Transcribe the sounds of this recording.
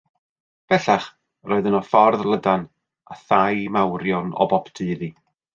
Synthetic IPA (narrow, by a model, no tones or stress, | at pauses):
b̥ɛɬaχ | roːɨðənɔfɔrðlˠədan | aθajmawɾjɔnɔ̰bɔptʰɨːði